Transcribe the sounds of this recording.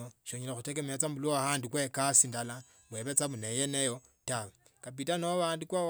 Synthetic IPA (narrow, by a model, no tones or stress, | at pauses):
oʃoɲelaxutek̬emat͡sambulohaːndukwekasindala | βweβet͡saβunejenejo | tawe | kap̬itanoβaːndukwa